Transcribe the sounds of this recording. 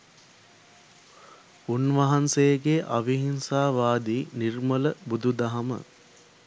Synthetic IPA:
unʋɐɦansejəɡeʔaʋiɦinsaːʋaːd̪iːnirmələbud̪ʱud̪aɦamə̰

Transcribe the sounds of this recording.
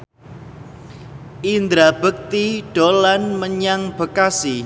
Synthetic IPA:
ʔind̪ɾab̥ək̚t̪iɖ̥olanməɲaŋb̥ə̤kasi

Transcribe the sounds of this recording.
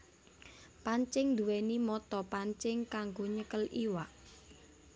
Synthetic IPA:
paɲt͡ʃɪŋd̪uwɛnimɔt̪ɔpaɲt͡ʃɪŋkaŋɡoɲəkəliwaʔ

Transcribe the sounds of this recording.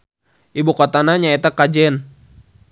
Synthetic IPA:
ʔibukɔt̪anaɲaɛt̪akːad͡ʒɛn

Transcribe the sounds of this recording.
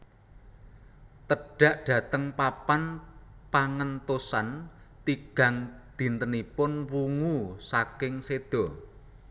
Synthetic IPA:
t̪əɖ̥a̤ʔɖ̥ä̤t̪əŋpapanpaŋənt̪osan | t̪iɡ̥a̤ŋd̪̥i̤nt̪ənipʊnwuŋusakɪŋsed̪̥ɔ̤

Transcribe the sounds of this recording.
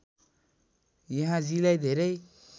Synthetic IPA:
jeɦãzilajd̪eɾej

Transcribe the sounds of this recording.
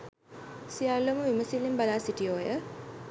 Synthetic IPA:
sialːoməʋiməsilːimbalaːsiʈijoːjə

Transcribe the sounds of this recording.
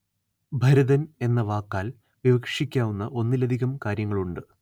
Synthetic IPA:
bʱɐɾɐðɐne̞nːɐʋaːkːaːl | ʋiʋɐkʂikʲːaːʋunːɐʔo̞nːilɐd̪ʱiɣɐmkaːɾjɐŋːɐɭuɳɖɨ

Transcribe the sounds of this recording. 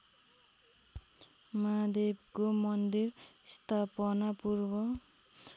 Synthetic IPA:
mad̪ebkomʌnd̪irst̪ʰapʌnapurbʌ

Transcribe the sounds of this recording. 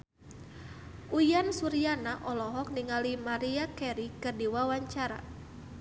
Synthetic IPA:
ʔujansuɾianaʔɔlɔɦɔk̚niŋalimaɾiakɛɾikɨrdiwawaɲt͡ʃaɾa̰

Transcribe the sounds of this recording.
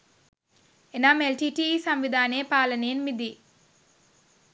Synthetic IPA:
enaːmelʈiːʈiːsɐmʋid̪ʱaːneːpaːlɐneːnmid̪i

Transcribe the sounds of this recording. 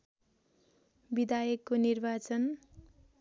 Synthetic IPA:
bid̪ajʌkːonirbat͡sʌn

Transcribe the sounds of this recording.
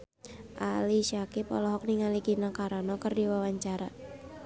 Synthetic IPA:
ʔa̰liʃakipɔlɔɦɔk̚niŋaliɡinakaɾanɔkɨrdiwawaɲt͡ʃaɾa

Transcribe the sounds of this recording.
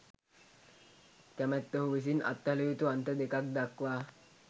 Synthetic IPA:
kæmæt̪ːəɦuʋis̬inʔa̰t̪ːalejut̪uant̪əd̪ekak̚d̪akʋaː

